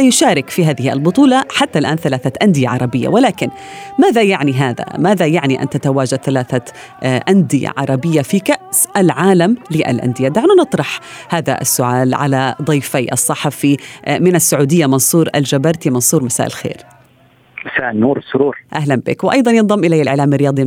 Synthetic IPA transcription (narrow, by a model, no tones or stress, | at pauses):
jʊʃaːɾɪkfiɦaːðɪhiʔalbʊt̪ˤuːlɑħat̪ːalʔaːnθalaːθaʔand̪ɪjaʕɑɾˤɑbɪjːa̰walaːkɪnmaːðajaʕniɦaːða̰maːðajaʕniʔa̰nt̪at̪awaːd͡ʒad̪̚θalaːθa | ʔand̪ɪja̰ʕɑ̰ɾˤɑbɪjːafikaʔsʔalʕaːlamlɪʔa̰lʔa̰nd̪ɪjad̪aʕnanɨt̪ˤɾˤɑħhaːða̰ʔa̰sːʊʕaːlʕa̰lad̪ˤijfajʔɑsˤːɑħɑfimɪnasːaʕuːd̪ɪjːamɑnsˤuːɾʔa̰ld͡ʒabɑɾˤt̪imɑnsˤuːɾmasaːʔɪ̰lxḛːɾ | masaːʔɪlnuːɾsʊɾuːɾʔaɦlanbɪ̰kwʔɑjd̪ˤɑnjɨnðˤɑmːʔɪlajːalʔɪʕlaːmrːɪjɑːd̪ˤi